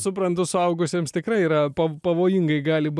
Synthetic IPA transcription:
sʊpɾɐnt̪ʊsʊɐʊɡʊsʲeːmst̪ʲɪkɾɐɪiːɾɐpɐpɐʋoːjɪŋɡɐɪɡɑːlʲɪb

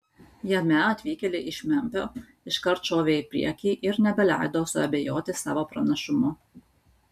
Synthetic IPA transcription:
jɛmʲɛɐt̪ʲʋʲiːkʲɛlʲɪʔɪʃʲmʲɛˑmʲpʲoː | ɪʃkɐɾt̪t͡ʃoːʋʲeːɪpʲɾʲḭɛkʲiːʔɪɾnʲɛbʲɛlʲæ̰ˑɪd̪oːsʊɐ̰bʲejoːt̪ʲɪsɑ̰ːʋoːpɾɐnɐʃʊmʊ

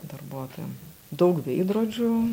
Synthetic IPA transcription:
d̪ɐrbuɔt̪oːjɛm | d̪ɐʊkʋʲɛɪd̪roːd͡ʒʲʊ

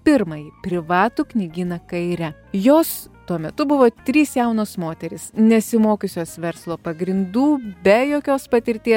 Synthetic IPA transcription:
pʲɪɾmɐjipʲɾʲɪʋɑːt̪uknʲɪɡʲiːnɐkɐɪɾʲɛjoːst̪uɔmʲɛt̪ʊbʊʋoːt̪ʲɾʲiːsjɛʊnoːsmoːt̪ʲɛɾʲɪsnʲɛsʲɪmoːkʲʊsʲoːsʋʲɛɾslˠoːpɐɡɾʲɪnd̪uːbʲɛjoːkʲoːspɐt̪ʲɪɾʲt̪ʲiɛ

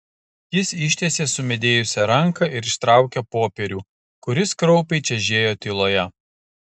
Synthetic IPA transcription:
jɪsɪʃʲt̪ʲeːsʲeːsʊmʲɛd̪ʲeːjʊsʲɛɾɐŋkɐʔɪɾɪʃt̪ɾɑˑʊkʲɛpoːpʲɛɾʲuː | kʊɾʲɪskɾɔʊpʲɛɪt͡ʃʲɛʒʲeːjoːt̪ʲɪlˠoːjɛ

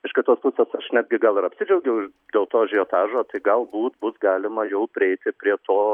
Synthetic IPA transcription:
ɪʃkʲɪt̪oːspʊsʲeːsɐʃnʲæːd̪ʲɡʲɪɡɐlˠɪɾɐpʲsʲɪd͡ʒʲɛʊɡʲɛʊ | dʲeːlˠt̪oːʒʲɪjoːt̪ɑːʒoːt̪ɐɪɡɐlˠbuːt̪bʊsɡɑːlʲɪmɐjɛʊpʲɾʲɪɛɪt̪ʲɪpʲɾʲiɛt̪oː

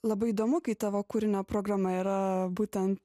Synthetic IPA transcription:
lˠɐbɐɪid̪oːmʊkɐɪt̪ɐʋɐkʊɾʲɪnʲɛpɾoːɡɾɐmɐiːɾɐbuːt̪ʲɛnt̪

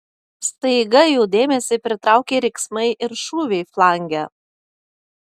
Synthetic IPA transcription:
st̪ɐɪɡɐjuːd̪ʲeːmʲɛsʲɪpʲɾʲɪt̪ɾɑˑʊkʲeːɾʲɛɪksmɐɪʔɪɾʃuːʋʲɛɪflˠɑˑŋʲɡʲæː

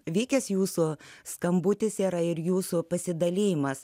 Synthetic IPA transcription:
ʋʲiːkʲɛsjuːsʊskɐmbʊt̪ʲɪsiːɾɐɪɾjuːsʊpɐsʲɪd̪ɐlʲiːjɪmɐs

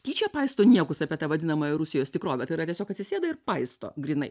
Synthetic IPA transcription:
tʲiːt͡ʃʲɛpɐɪst̪oːnʲiɛkʊsɑːpʲiɛt̪ɐʋɐd̪ʲɪnɐmɐːjɛɾʊsʲɪjoːst̪ʲɪkɾoːʋʲɛt̪ɐɪɾɐt̪ʲiɛsʲoːkɐt̪sʲɪsʲeːd̪ɐɪrpɐɪst̪o̰ːɡɾʲiːnɐɪ

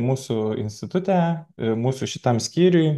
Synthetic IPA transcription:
muːsʊɪ̰nʲsʲt̪ʲɪt̪ʊt̪ʲæmuːsʊʃʲɪt̪ɐmsʲkʲiːɾʲʊj

